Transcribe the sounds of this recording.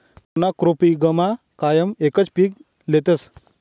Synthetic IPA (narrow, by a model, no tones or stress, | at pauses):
punakɾopiɡəma | kajəmekət͡spiːk | let̪əs